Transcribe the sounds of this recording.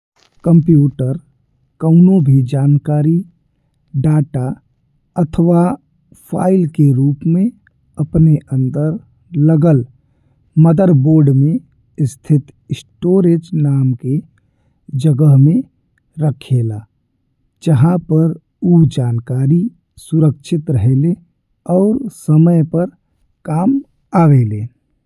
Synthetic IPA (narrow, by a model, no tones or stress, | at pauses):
kə̃mpjuːʈəɾ | kəʊnõbʱid͡ʒaːnkaːɾi | ɖaːʈa | ət̪ʰʋa | fʰa̰ːɪlkeɾuːpmẽ | ɐpneʔə̃nd̪əɾ | ləɡəl | məd̪əɾboːɾɖmẽ | st̪ʰɪt̪sʈoːɾeːd͡ʒnaːmke | d͡ʒəɡəɦmẽ | ɾəkʰeːlaː | d͡ʒəɦãpəɾ | uːd͡ʒaːnkaːɾi | sʊɾəkʃʰɪt̪ɾəɦele | ɔːɾsəməjpəɾ | kaːm | aːʋeːleː